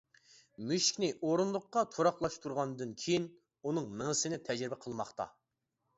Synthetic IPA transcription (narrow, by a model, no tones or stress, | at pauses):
myʃkʲnɪʔoɾunlˠʊqːɑt̪ʰoɾɑχlˠɑʃt̪ʰuɾʁɑnd̪ɨnkʲʰejin | unɨŋnəŋəsɨnɪt̪ʰɛd͡ʒɾɪbɛqʰəlˠmɑχt̪ɑ̰